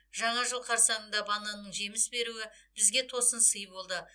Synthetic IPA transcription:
ʒ̥ɑɴɑʒəlˠqʰɑɾsɑɴənd̪ɑbɑnɑnəɴʒemɪsbe̞ɾuɪbɪzɡʲe̞t̪ʰo̞sənsəjbo̞lˠd̪ə

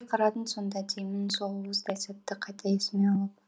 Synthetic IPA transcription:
qʰɑɾɑt̪ənso̞nd̪ɑd̪ʰejmɪnsolˠwəzd̪ɑjsɑt̪ːəqʰɑjt̪ʰɑesmeɑlˠəp̚

